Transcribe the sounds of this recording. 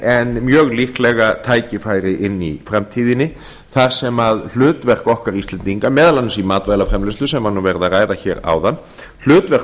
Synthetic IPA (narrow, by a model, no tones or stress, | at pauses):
ɛnmjœːɣlihklɛɣat̪ʰaːjcɪfaːjɾɪʔɪnːifɾamt̪ʰiːðɪnːɪ | θaɾ̥sɛmaðl̥ʏːt̪vɛr̥kɔhkaɾist̪ɛnt̪iŋkamɛːðalanːsimaːt̪vajlafɾɛmlɪst̪lʏsɛmhanuvɛɾðaraːjðaçɛ̰ːɾa̰ːwðanː | l̥ʏːt̪vɛr̥k